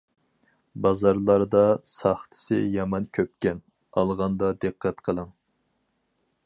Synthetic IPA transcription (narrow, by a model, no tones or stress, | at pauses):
bɑzɑɾlˠɑɾd̪ɑsɑχt̪ʰɨ̥sɨ̰jɑmɑnkʲʰøp̚kʲɛn | ɑ̰lˠʁɑnd̪ɑd̪ɨqʰːɛt̪qʰəlˠɨŋ